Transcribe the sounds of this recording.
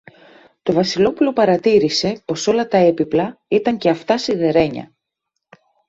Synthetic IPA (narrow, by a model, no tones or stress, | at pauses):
t̪o̞vɐsilo̞pulo̞pɐɾɐt̪iɾise̞po̞so̞lɐt̪ɐe̞piplɐit̪ɐɲceɐft̪ɐsiðe̞ɾe̞ɲɐ̰